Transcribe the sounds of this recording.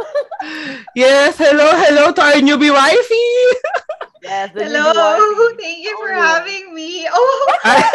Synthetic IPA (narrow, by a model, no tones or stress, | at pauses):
jɛshɛloʊɦɛloʊt̪ɔinjubiwajfi | ɛlot̪ɛ̃ŋkjufə˞hævɪ̃ŋmio